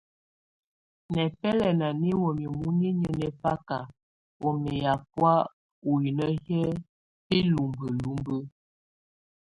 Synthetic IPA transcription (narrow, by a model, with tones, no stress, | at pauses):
nɛ˨pɛ˦lɛ˨na˨ni˦wo˨mi˨mu˦ɲi˦ɲə˨nɛ˨fa˦ka˨ | wo˨mɛ˨ja˨p̚wa˦ | u˨i˨nə˦hɛ˦ | pe˦lu˨mbə˨lu˦mbə˦